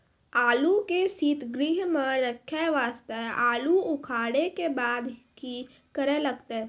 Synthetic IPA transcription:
aːlukesiːt̪ɡɾiɦmənəkʰːjaʋaːst̪aɦʔaːluʊkʰaːɽekebaːd̪ki | kəɾelɐɡt̪e

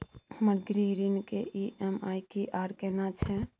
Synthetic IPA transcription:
həməɾɡɾiɦɾinkeʔiʔɛmajkiʔaɾkɛnat͡ʃʰɛ

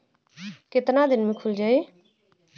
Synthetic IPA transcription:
kɪt̪nad̪ɪnmẽːkʰʊld͡ʒaːeː

